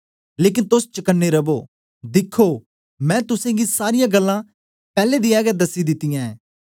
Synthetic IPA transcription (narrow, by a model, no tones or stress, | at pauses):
leːk̬ɪnt̪ʊst͡ʃəkənːeɾɐboː | d̪ɪkʰːoː | mɛ̃ːt̪ʊsẽɡisaːɾɪjãːɡəlːã | pɛːled̪iɛːɡɛd̪ɐsːid̪ɪt̪ːɪjãːɛ̃ː